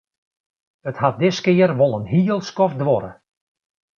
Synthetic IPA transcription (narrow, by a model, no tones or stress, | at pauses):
əthat̚dɪskɪərʋolˠənɦiəlˠskɔfdʋɔɾə̰